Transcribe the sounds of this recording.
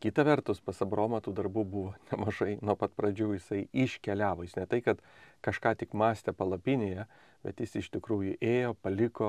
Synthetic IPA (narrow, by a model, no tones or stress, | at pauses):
kʲɪt̪ɐʋʲɛrt̪ʊspɐsɐbɾoːmɐt̪uːd̪ɐrbuːbʊʋoːnʲɛmɐʒɐɪnuːpɐt̪pɾɐd͡ʒʲuːjɪsɐɪiʃʲkʲɛlʲæːʋoːjɪsnʲɛt̪ɐɪkɐt̪kɐʃkɑːt̪ʲɪkmɑːsʲt̪ʲɛpɐlˠɐpʲɪnʲeːjɛ | b̥ʲɛ̰t̪jɪsɪʃt̪ʲɪkɾuːjʊʔeːjoːpɐlʲɪkoː